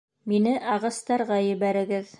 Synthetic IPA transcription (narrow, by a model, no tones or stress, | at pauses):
minɘʔɑʁɤ̆st̪ɑɾʁɑjɘ̆βæɾɘ̆ɡɘð